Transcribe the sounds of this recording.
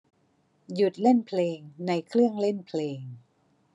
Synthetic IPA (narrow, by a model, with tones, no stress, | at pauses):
ju˨˩t̪̚le˥˩npʰleː˧ŋna˧jkʰɾɯ˥˩əŋle˥˩npʰleː˧ŋ